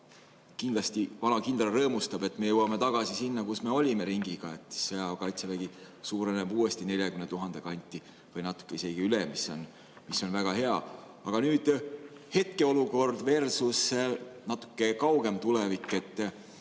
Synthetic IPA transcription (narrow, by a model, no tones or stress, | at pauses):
kind̥̪lɑst̪ivɑnɑkind̪rɑrɤːmust̪ɑb̥e̞t̪ːˑme̞jewɑmet̪ɑɡ̥ɑsisinːɑkusme̞o̞lʲime̞ɾiŋɡiɡ̥ɑe̞t̪ːseɑkɑjt̪sevæɡ̥i | suːɾenebuːe̞st̪ine̞lʲjɑkymnet̪uɦɑnd̪e̞kɑnʲt̪ˑːi | vɤjnɑt̪ːˑu̥kːe̞ise̞ɡ̥iylemisːo̞n | miso̞nvæɡ̥ɑhe̞ɑ | ɑɡ̥ɑnyːd̪̥he̞t̪̚ke̞o̞luko̞rd̪ve̞rsusːenɑt̪ːˑu̥kːe̞kɑwɡ̥e̞mt̪ulɛvikːˑe̞t̪ː